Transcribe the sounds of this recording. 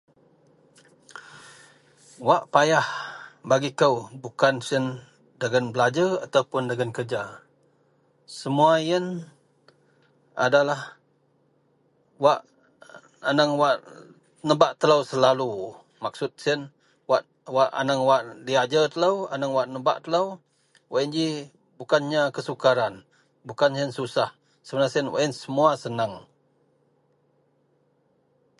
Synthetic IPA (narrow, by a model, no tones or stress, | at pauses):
waʔpajahbaɡikəwbukansiən | dəɡanbəlad͡ʒəat̪awpʊndəɡankərd͡ʒa | səmuajən | a̰dalah | waʔ | anəŋwaʔ | nəbaʔt̪ələwsəlalu | maksʊt̪̚siən | waʔ | waʔa̰naŋwaʔdiad͡ʒət̪ələwanaŋwaʔnəba̰ʔt̪ələw | waʔənd͡ʒi | bukanɲakəsukaɾan | bukanjənsusah | səbənasiənwa̰ʔənsəmuasənaŋ